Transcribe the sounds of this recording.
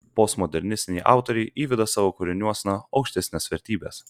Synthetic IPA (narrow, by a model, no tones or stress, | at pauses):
post̪mɔd̪ʲɛɾʲnʲɪsʲt̪ʲɪnʲɛʔɑ̰ˑʊt̪oɾʲɛɪʔiːʋʲɪd̪ɐsɑːʋokʊɾʲɪnʲuɔsʲnɐɐʊkʃʲt̪ʲɛsʲnʲeːsʋʲɛɾʲt̪ʲiːbʲeːs